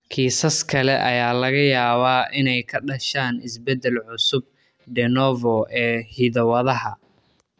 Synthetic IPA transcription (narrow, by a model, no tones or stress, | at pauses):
kʰiːsɐskʰɐlɛʔɐjaːlɐɣɐjaːβaːʔɪnɛjkʰɐɖɐʃaːnɪsbɛd̪ːɛlʕʊsʊb̚ | ɖɛnɔːvɔɛːhiðɐwɐðɐɦɐ